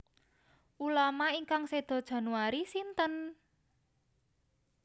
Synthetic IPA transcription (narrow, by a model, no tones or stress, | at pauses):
ʔulamaiŋkaŋsed̪̥ɔ̤d̥ʒ̥ä̤nuaɾisint̪ən